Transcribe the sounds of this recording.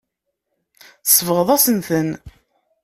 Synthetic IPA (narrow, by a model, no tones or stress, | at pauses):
θə̥sˤːvəʁəðˤæsənθən